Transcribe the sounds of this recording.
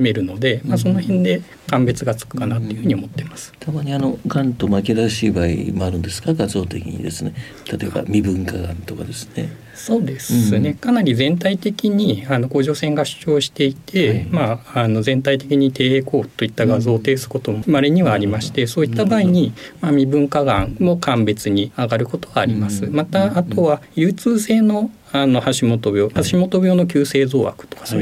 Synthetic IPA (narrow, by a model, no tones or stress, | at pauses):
me̞ɾɯ̟no̞d̪e̞mas̬o̞no̞hẽ̞nd̪e̞ | kãmbe̞t͡sɨɡat͡sɨ̥kɯ̟̥kanat̪o̞iɯ̟hɯ̟ɲ̟io̞mo̞t̪ːe̞masɨ̥t̪ʰamaɲ̟iano̞ɡãnt̪o̞makeɾaɕiːbaḭmoaɾɯ̟̃nd̪e̞sɨ̥kaɡazo̞ːt̪e̞kʲḭɲ̟ḭd̪e̞sɨne | t̪ʰat̪o̞e̞ba̰mʲibɯ̟̃ŋkaɡã̰nt̪okad̪e̞sɨ̥ne̞̰ | so̞ːd̪e̞sɨne̞kanaɾʲizẽ̞nt̪ait̪e̞kʲiɲ̟iano̞ko̞ːʑo̞ːsẽ̞ŋɡaɕɨ̥t͡ɕo̞ːɕi̥t̪e̞it̪ʰe̞maːno̞zẽ̞nt̪ait̪e̞kʲiɲ̟it̪e̞ːeːko̞ːt̪ːo̞it̪ːaɡazo̞ːt̪e̞ːsɨ̥ko̞t̪o̞moɯmaɾeɲ̟iβaːɾʲimaɕi̥t̪e̞so̞ːit̪ːabaːiɲ̟imamʲibɯ̟̃ŋkaɡã̰ŋmo̞kʰãmbe̞t͡sɨɲ̟iaɡaɾɯ̟ko̞t̪o̞ɡaːɾʲimasɨmat̪aːt̪o̞βajɯ̟ːt͡sɨːse̞ːno̞ | ano̞haɕimo̞t̪o̞bʲo̞ːhaɕimo̞t̪o̞bʲo̞ːno̞kʲɨːse̞ːzo̞̰ːβa̰kɯ̥t̪o̞̥kḁso